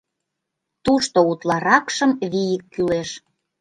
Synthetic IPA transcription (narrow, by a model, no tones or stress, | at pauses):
t̪uʃt̪out̪lɑɾɑkʃəmβijəkːyleʃ